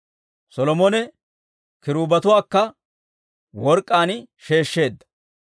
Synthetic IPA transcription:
sɔlɔmɔnɛ | kɪɾuːbɐt̪ʊwaːkːɐ | wɔɾkʼːaːnʃe̞ːʃːe̞ːd̪ːɐ̥

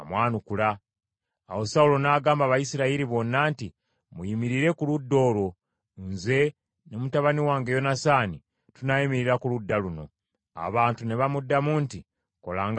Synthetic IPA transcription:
mwaːnukula̰ː | wo̞saulo̞naːɡaːmbaβajisiɾaiɾiβo̞nːaːnti | mujimiɾiɾe̞kuludːo̞ːlo̞ | nze̞ | nemutaβaniwaːŋɡejo̞nasaːni | tunaimiɾiɾakuludːaluno̞̰ | a̰βaːntune̞βamudːamuːnti | kolaːŋɡ

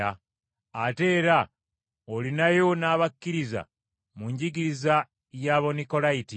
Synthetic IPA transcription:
a | ate̞ːɾa | olinajo̞naːβakːiɾiza̰ | muɲɟiɡiɾiza | jaːβo̞niko̞laiti

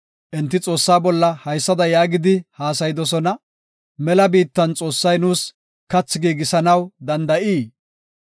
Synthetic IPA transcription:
ʔɪnt̪ːɪt͡sʼo̞ːsːaːbɔlːɐhɐjsːɐd̪ɐjaːɡɪd̪ɪhaːsɐjɪd̪ɔsɔnɐ | mɛlɐbiːt̪ːɐnt͡sʼo̞ːsːɐjnuːs | kɐt͡sːɪɡiːɡɪsɐnɐwd̪ɐnd̪ɐʔiː

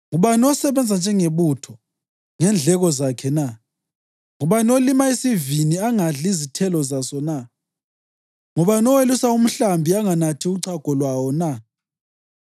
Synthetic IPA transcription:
ŋuβanɔsɛβɛnd͡zʱand͡ʒʱɛŋeβutʰɔ | ŋɛnd͡ɮʱɛɣɔzakʰɛna | ŋuβanolimaisiviniaŋaɮizitʰɛlɔzasɔna | ŋuβanɔwelusaum̩ɬambʱiaŋanatʰiuǀaɡ̥ʱɔlwawɔna

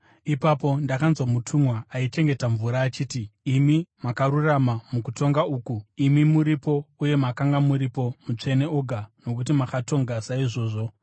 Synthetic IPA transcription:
ipapo̞ndakanzwamutʰumwaait͡ʃe̞ŋɡe̞taɱvuɾaːt͡ʃiːtiːmimakaɾuramamukuto̞ŋɡauːkuimimuɾipo̞uje̞makaŋɡamuɾipo̞mut͡ʂe̞ne̞oɡʱano̞kut̬imaxato̞ŋɡasaiʐo̞ːʐo̞

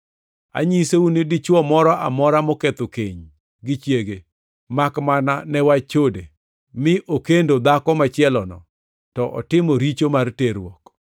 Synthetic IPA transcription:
a̰ɲiseunedit͡ʃwɔmɔɾɔʔa̰mɔɾamoket̪okeɲ | ɡɪt͡ʃjeɡe | makmananɛwat͡ʃode | mɪʔokendod̪akɔmat͡ʃjɛlɔnɔ̰ | tɔʔɔ̰tɪmɔɾit͡ʃomarteɾwɔk

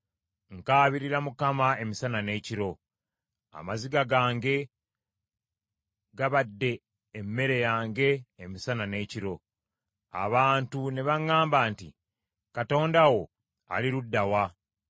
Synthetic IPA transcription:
ŋkaːβiɾiɾamukamae̞misanane̞ːciɾo̞ | a̰maziɡaɡaːŋɡe̞ | ɡaβadːe̞ː | mːe̞ɾe̞jaːŋɡe̞ːmisanane̞ːciɾo̞ | a̰βaːntune̞βaŋːaːmbaːntḭ | kato̞ːndawo̞ | a̰liɾudːawa

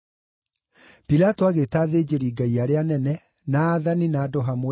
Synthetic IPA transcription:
pilatoaɣetaːðeːd͡ʑeɾiːɡaiaɾeanɛnɛ | naːðaninaːdɔɦamo

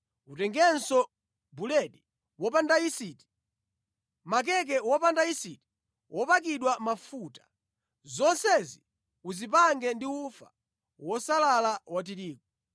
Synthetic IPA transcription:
utɛŋɡɛnsɔ | bulɛɗi | wɔpandaisiti̥ | mak̬ɛk̬ɛwɔpandaisiti̥ | wʔɔpakiɗwamafutḁ | zɔnsɛzi | uzip̬aŋɡɛndiufa̰ | wɔsalalawat̬iɾiːkɔ

